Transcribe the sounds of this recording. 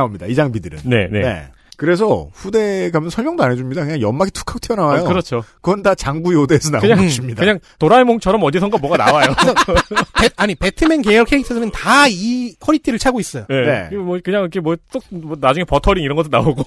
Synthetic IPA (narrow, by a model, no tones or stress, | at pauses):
aomɲida̰id͡ʑaŋbidɯɾɯ̰nne̞nenḛ | kɯɾe̞sʰʌɸude̞ɡamjʌnsʰʌmjʌŋdoanɦed͡ʑumɲidakɯɲaŋjʌmːaɡitʰu̥kʰakotʰjʌnawajokɯɾʌt͡ɕʰokɯʌndat͡ɕaŋɡujodeːsʰʌna̰kɯɲaimɲidaɲaŋtoɾaemoŋt͡ɕʰʌɾʌmʌd͡ʑisʰʌŋɡamwʌɡana̰wajjokɯɲaŋpeaɲipetʰɯmenkejʌɭkʰeitʰɯsʰɯnɯntaikʰʌɾitʰiɾɯɭt͡ɕʰaɡois͈ʌjoenḛmwʌkɯɲaŋikʰemwʌs͈ok̚mʌnad͡ʑuŋe̞pʌtʰʌɾiŋiɾʌnɡʌt͈ʰːonaoɡo